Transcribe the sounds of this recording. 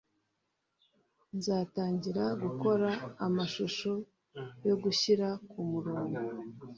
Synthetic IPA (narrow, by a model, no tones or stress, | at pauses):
nzaːtaːɲɟiɾaɡuko̞ɾaːmaʃuʃo | jo̞ɡuçiɾakumuɾoːŋɡu